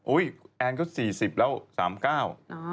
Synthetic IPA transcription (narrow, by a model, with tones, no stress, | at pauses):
ʔu˦˥˩jʔɛ˧nkɔː˥˩siː˨˩si˨˩p̚lɛː˦˥wsa̰ː˩˦mkaː˥˩w